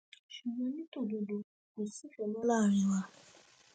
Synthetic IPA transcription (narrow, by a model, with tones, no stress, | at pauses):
ʃu˨ɡ͡bɔ̃˧˦nĩ˦to˦˨do˨˧do˧ | ko˨si˦fɛ˨lɔ˦la˦˨ɾ̃ĩ˨˧˦wa˧